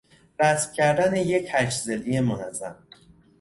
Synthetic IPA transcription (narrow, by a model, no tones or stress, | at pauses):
ɾæsbcʲʰæɾd̪ænejechæt͡ʃzelijemonæzːæ̰m